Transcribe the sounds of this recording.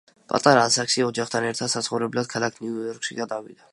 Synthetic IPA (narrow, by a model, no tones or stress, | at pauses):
pʼa̰t̪ʼaɾaːsakʃiɔd͡ʒaχt̪ʰanɛɾt̪ʰad̪sat̪sʰχɔvɾɛblad̪̥̚kʰalˠakʰniujɔɾkʃiɡad̪avḭd̪̥a